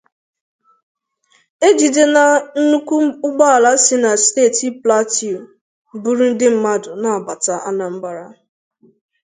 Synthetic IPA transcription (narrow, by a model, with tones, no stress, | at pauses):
e˦d͡ʒi˨de˦na˨n̩˦nu˦kʷu˦ʊ˦ɡ͡ba˦a˨la˦sɪ˦na˨steː˦˨ti˦pla˦ti˨u˨ | bu˦ɾu˦n̩˦dɪ˦m̩˦ma˦dʊ˨na˨a˨ba˨ta˦ʔa˦na˨m̩˦ba˦ɾa˦